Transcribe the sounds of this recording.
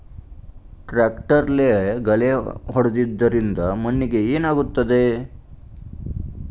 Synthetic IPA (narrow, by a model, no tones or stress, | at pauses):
ʈɾaːkʈɐɾleɡɐleɦɔɽɐd̪id̪ːɐɾind̪ɐmɐnːiɡe̞eːnaːɡut̪ːɐd̪e